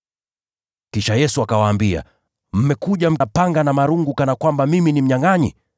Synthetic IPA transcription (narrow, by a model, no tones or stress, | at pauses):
kiʃajɛsuakawaːmbia̰ | m̩mɛkuʄam̩paŋɡanamaɾuŋɡukanakwambamiminim̩ɲaŋaɲḭ